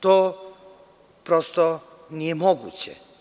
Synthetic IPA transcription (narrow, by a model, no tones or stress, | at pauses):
t̪oː | pɾost̪o | nijemoɡṵt͡ɕɛ̰